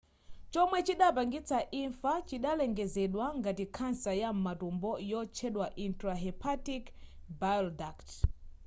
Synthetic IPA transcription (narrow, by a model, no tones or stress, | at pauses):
t͡ʃɔmwɛt͡ʃiɗapaŋɡit͡sʰaʔiɱfat͡ʃiɗalɛŋɡɛzɛɗwaŋɡatikʰansajam̩matumbɔjɔt͡ʃʰɛɗwaʔintɾaɦɛpʰatikbajɔldakt